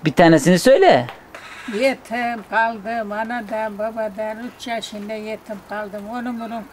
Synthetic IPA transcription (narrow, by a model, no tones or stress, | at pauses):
bit̪ʰanasɪnɪsøjla | jet̪ʰɪmqʰɑlˠd̪ɪmɑnad̪anbabad̪anʊt̪t͡ʃʰaʃɪnd̪ajet̪ʰɪmqʰɑlˠd̪ɨmonɪmʊɾʊn